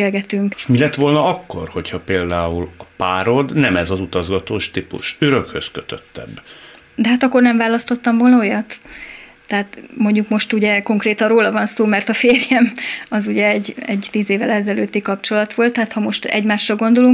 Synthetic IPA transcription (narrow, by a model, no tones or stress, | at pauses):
eːlɡɛt̪yŋkʃmilɛt̪ʋo̞lnɒɒkːo̞̰rho̞chɒpeːld̪aːulɒpaːɾo̞d̪nɛmɛzɒzut̪ɒzɡɒt̪oːʃt̪ipṵʃøɾøkhøskøt̪øt̪ːɛ̰b | d̪ɛɦat̪ɒkːo̞rnɛɱvaːlɒst̪o̞t̪ːɒmvolnɒojɒt̪ː | ɛɦat̪mo̞ɲɟukmo̞ʃt̪uɟɛko̞ŋkreːt̪ɒnroːlɒvɒnsoːmɛrt̪ɒfeːrjɛmɒzuɟɛɛɟɛɟt̪iːzeːvɛlɛzɛløːt̪ːikɒpt͡ʃo̞lɒt̪ʋo̞lt̪ːaːt̪hɒmo̞ʃt̪ɛ̰ɟmaːʃrɒɡo̞nd̪oluŋk